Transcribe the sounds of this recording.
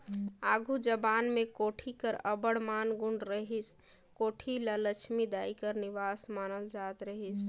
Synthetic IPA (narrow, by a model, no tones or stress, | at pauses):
aɡʱud͡ʒəbanmekoʈʰikəɾəbəɽmanɡuɳɖɾəɦis | koʈʰilələt͡ʃʰmid̪aikəɾniʋasmanəld͡ʒat̪ɾəɦis